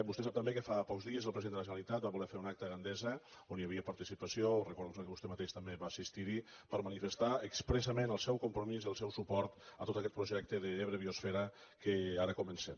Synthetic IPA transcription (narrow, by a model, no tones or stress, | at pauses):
bust̪ɛsapt̪əmbekəfapɔkzðiəzəlˠpɾziend̪ələʒənəlit̪at̪̚baβulɛɾfeɾunak̚t̪əɣand̪ɛzə | oniəβiəpəɾt̪isipəsiorəkuɾðɛuzəkəβust̪emət̪eʃt̪əmbeβaːsist̪iɾipəɾmənifəst̪aəkspɾəsəmenəlˠsɛwkumpɾumiziəlˠsɛwsupɔɾt̪ə̰t̪ot̪əkɛt̪pɾuʒɛk̚t̪əðəeβɾəβiosfɛɾə | kəaɾəkumənsɛm